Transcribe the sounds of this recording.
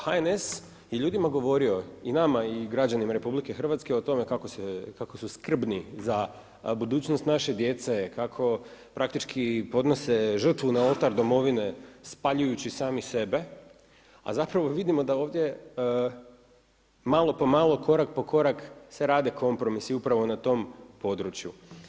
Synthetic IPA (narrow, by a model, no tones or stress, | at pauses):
haenes | jeʎuːd̪imaɡo̞ʋo̞ɾio̞inamaiɡɾad͡ʑanimaɾe̞publike̞xr̩ʋat̪skeot̪o̞me̞kakosekakosuskr̩bniza | bud̪uːt͡ɕnost̪naʃed̪je̞t̪se̞kakʰo̞pɾʔak̚t̪it͡ʃkʰipo̞d̪no̞se̞ʒr̩t̪ʋunao̞lˠt̪aɾd̪o̞mo̞ʋine̞spaʎujut͡ɕisaːmise̞be̞ | a̰zapɾaʋo̞ʋid̪imo̞d̪ao̞ːʋd̪je̞ | malo̞po̞malˠo̞kʰo̞ɾak̚po̞ko̞ɾakseɾaːd̪e̞kʰo̞mpɾo̞misiupɾaʋo̞nat̪o̞mpo̞d̪ɾut͡ɕju